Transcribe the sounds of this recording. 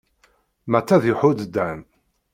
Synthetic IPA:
mæt͡sːæðjʊħʊd̪d̪ːæn

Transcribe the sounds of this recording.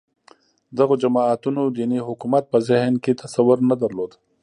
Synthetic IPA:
d̪ɐɣod͡ʒɐmaːt̪unod̪iːniɦʊkumɐt̪̚pɐzɪɦnkit̪ɐsɐwʊɾnɐd̪ɐɾloːd̪

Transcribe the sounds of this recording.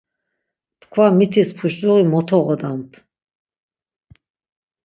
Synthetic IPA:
t̪kʰvamit̪ʰispʰuʃt͡ʃʼuʁimɔt̪ʰɔʁɔd̪amt̪ʰ

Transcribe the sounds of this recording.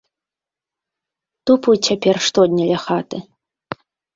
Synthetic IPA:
t̪uput͡ɕʰʲapʲɛrʂt̪ɔd̪ʲnʲɐlʲɐxat̪ɨ

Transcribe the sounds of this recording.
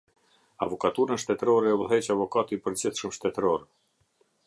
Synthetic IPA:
a̰vɔkat̪uɾəʃt̪ɛt̪ɾɔɾɛuɦɛt͡ɕavɔkat̪ipəɾd͡ʑɛθʃəmʃt̪ɛt̪ɾɔɾɛ

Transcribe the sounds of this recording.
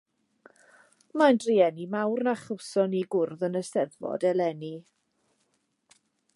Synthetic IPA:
majndriɛnimawrnaχəwsɔniɡʊrðənəsɛðvɔ̰dɛlɛni

